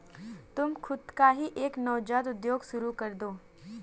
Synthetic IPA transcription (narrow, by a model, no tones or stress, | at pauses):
t̪ʊmxʰʊd̪kaɦiʔeːknɔːd͡ʒaːt̪ʊd̪joːɡʃʊɾukɐɾd̪oː